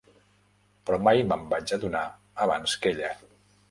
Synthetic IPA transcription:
pɾɔmajməmbad͡ʒəðunaː | βanskeʎə

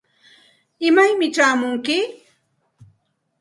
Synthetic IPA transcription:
ɪmajmɪʈ͡ʂaːmʊŋkɪ

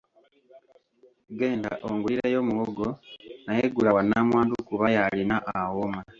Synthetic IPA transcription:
ɡe̞ːnda̰ʔoŋɡuliɾejo̞muwoɡonajeɡulawanːaːmwaːndukuβajalinaʔawoma

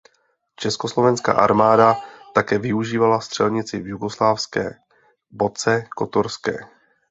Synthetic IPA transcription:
t͡ʃɛskoslo̞vɛnska̰ːʔa̰ɾmaːdat̪akɛːvɪuʒiːvalafst̪r̥ɛlɲɪt͡sɪvjuɡo̞slaːfskɛ̰ː | bo̞t͡sɛko̞t̪oɾskɛ̰ː

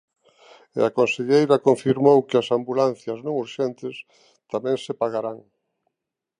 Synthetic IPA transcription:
akonseʎejɾɐkoɱfiɾmowkɪɐsambulan̟θjɐznõŋuɾʃɛnt̪ɪs | t̪amɛ̃ŋsepaɣaɾaŋ

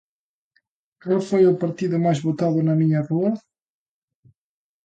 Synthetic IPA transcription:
kalfojʊpaɾt̪iðʊmajzβot̪aðʊnɐmiɲɐroɐ

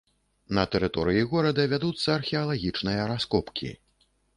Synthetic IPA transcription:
nɐt̪ɛɾɨt̪ɔɾɨjiɣɔɾɐd̪ɐvʲad̪ut̪sːɐːrxʲɛɐlˠaɣʲit͡ʂnɨjɐɾaskɔpkʲʰḭ

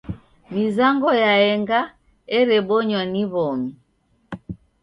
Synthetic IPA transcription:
mizaŋɡɔjaɛŋɡa | ɛɾɛɓɔɲwaniβɔmi

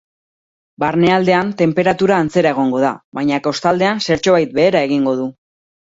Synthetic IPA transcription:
baɾne̞ald̪e̞ant̪e̞mpe̞ɾat̪uɾaːnt͡se̞ɾae̞ɣ̞o̞ŋɡo̞ð̞a̰βajɲako̞st̪ald̪e̞anse̞ɾt͡ʃoβajt̪̚be̞ːɾae̞ɣ̞iŋɡo̞ð̞u

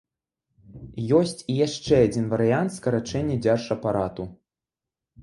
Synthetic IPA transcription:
jɔsʲt͡sʲijaʂt͡ʂɛad͡zʲinvɐɾɨjant̪skɐɾat͡ʂɛnʲːɐd͡zʲarʂɐpaɾat̪u

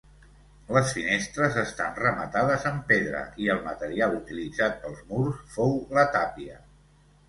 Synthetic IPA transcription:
ləsfinest̪ɾəzəst̪anrəmət̪aðəzəmpeðɾə̰ʔiəlˠmət̪əɾialut̪ilid͡zat̪̚pəlˠzmuɾsfowlət̪apiə

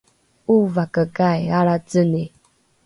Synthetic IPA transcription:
uvakəkajaɾat͡səni

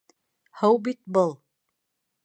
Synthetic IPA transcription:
hɤwbit̪̚bɤlˠ

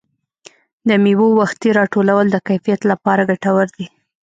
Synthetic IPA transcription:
d̪əmiwowaxt̪iɾɑʈolawəld̪əkajfijat̪lapɑɾaɡaʈawəɾd̪i

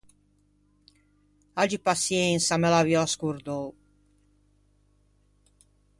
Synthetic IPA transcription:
ad͡ʒipasjensamelaviɔaskuɾd̪ow

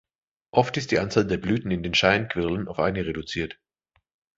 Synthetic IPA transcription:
ʔɔftɪst̚d̥iːʔant͡saːldeːɐblyːtn̩ɪndeːnʃaɪnkv̥ɪɐlənaʊfʔa̰ɪnəʁedut͡siːɐt

